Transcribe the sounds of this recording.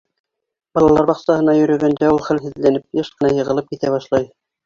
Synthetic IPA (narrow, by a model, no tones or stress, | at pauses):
bɑlˠɑlˠɑɾbɑqsɑhɤ̆nɑjɵ̆ɾɵ̆ɡænd̪æulˠχælɦɘ̆ðlænɘp̚jɤʃqɤ̆nɑjɤ̆ʁɤ̆lˠɤp̚kit̪æβɑʃlˠɑj